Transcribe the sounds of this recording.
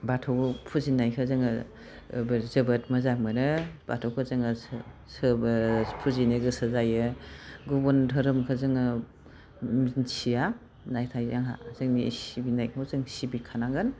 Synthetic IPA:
batʰɔwɡpʰuzinajkʰɯzɯŋɯ | bzɯbɐtmɐzamɯnɯb̥a̰tʰɔwkʰɯzɯŋɯ | sɯbpʰuzinɯɡɯsɯzajɯɡubɔndʰʱɯɾɯmkʰɯzɯŋɯ | mnsʰia | najtʰajzaŋɦa̰zɯŋmisibinaj̚mɔzɯŋsibikʰanaŋɯn

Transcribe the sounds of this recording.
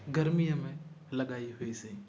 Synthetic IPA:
ɡəɾmijãmẽ | lɐɡaːiɦʊisẽ

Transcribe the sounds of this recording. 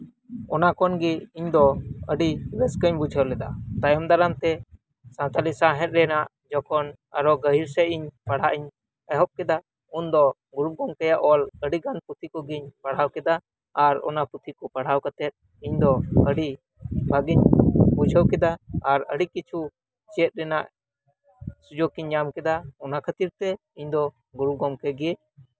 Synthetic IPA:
ɔnakɔnɡiiɲd̪ɔəɖiɾɛskəɲbud͡ʒʱəwlɛd̪at̪ajɔmd̪aɾamt̪ɛ | sãt̪alisaɦɛ̃t̪̚ɾɛnaʔ | d͡ʒɔkʰɔn | a̰ɾɔɡəɦiɾsɛiɲpaɽ̤aʔiɲ | ɛɦɔp̚kɛd̪a | und̪ɔ | ɡuɾup̚ɡɔŋkajaʔɔləɽiɡanput̪ʰikɔɡiɲpaɽ̤awkɛd̪aː | ɾɔ̰naput̪ʰikɔpaɽ̤awkat̪ɛt̪̚ | iɲd̪ɔəɽi | bʱaɡiɲbud͡ʒʰʱəwkɛd̪aːɾəɽikit͡ʃʰu | t͡ʃɛt̪̚ɾɛnaʔ | sud͡ʒɔkiɲːamkɛd̪aɔnakʰat̪iɾt̪ɛ | iɲd̪ɔ | ɡuɾup̚ɡɔmkɛɡɛ

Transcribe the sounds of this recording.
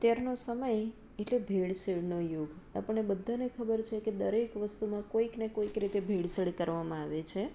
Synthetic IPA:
t̪jaɾnosəməj | eʈlebʱeɭsəɭnojoɡa̰pəɳebəd̪ʱːanekʰəbəɾt͡ʃʰeked̪əɾekʋəst̪umãkoiknekoikɾit̪ebʱeɽsəɽkəɾʋamãaʋet͡ʃʰe

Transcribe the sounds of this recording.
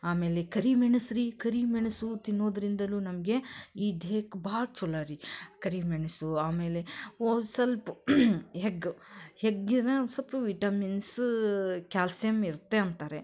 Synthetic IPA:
aːme̞ːlekɐɾimeɳɐsɾikɐɾimeɳɐsut̪inːoːd̪ɐɾind̪ɐluːnɐmɐɡeiːd̪ʱeːkbaːɽ̚t͡ʃulaːɾikɐɾimeɳɐsuaːmeːleoːsɐlpuɦeɡheɡːinɐsɐlpuʋiʈɐmins | kʲaːlsjɐmiɾt̪ːeɐnt̪aːɾe

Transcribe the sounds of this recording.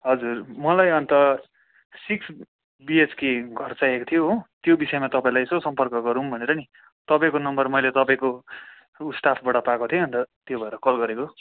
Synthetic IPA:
ɦʌd͡zurmʌlajʌnt̪ʌ | siks | biet͡skeɡʱʌrt͡sajekot̪ʰijoɦot̪jobisʌemat̪ʌpaĩlajsʌsʌmpʌrkʌɡʌɾumbʱʌneɾʌni | t̪ʌpaĩkonʌmbʌrmʌjlet̪ʌpaĩko | usʈapʰbʌɽʌpakot̪ʰieʌnt̪ʌt̪jobʱʌeɾʌkʌlɡʌɾeko

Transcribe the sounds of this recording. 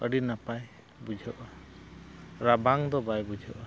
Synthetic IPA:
əɖinapaj | bud͡ʒʱɔʔa | ɾabʱaŋd̪ɔbajbud͡ʒʱɔʔa

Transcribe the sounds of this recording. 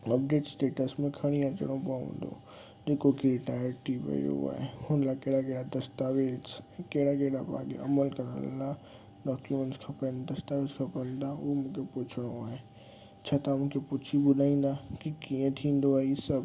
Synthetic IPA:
əbɖeːʈsʈeːʈəsmẽkʰɐɽ̃iat͡ʃə̰ɽ̃õbaːṵ̃nd̪o̰ | d̪ekokiɾɪʈaːjəɾʈibə̰jo̰a̰ehõnlakeːɽakeːɽad̪əst̪aːʋeskeːɽakeɽaba̰ːɡḛʔɐ̰məlkɐɾə̰lːa | ɖɔːkjumẽnʈskʰapənd̪ɐst̪aʋed͡ʒkʰapənd̪aomʊ̃kepʊt͡ʃʰɽ̃õae | t͡ʃʰat̪amʊ̃kepʊt͡ʃʰibʊd̪aĩnd̪akikiẽt̪ʰĩːnd̪oaisəb

